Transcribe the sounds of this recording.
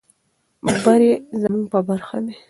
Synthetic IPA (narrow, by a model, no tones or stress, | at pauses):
baɾezamuŋɡ̚pəbaɾxa̰d̪e